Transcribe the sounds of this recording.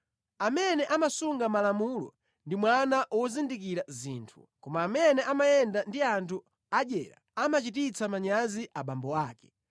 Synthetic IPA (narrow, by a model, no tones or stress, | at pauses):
amɛnɛʔamasuŋɡamalamulɔ̰ | ndimwanaʔwɔzindikiɾaziːntʰu̥̰ | kɔmaːmɛnɛʔamajɛndandiantʰu | aʄɛ̰ːɾa̰amat͡ʃitit͡sʰamaɲaziʔaɓambɔaːkɛ̥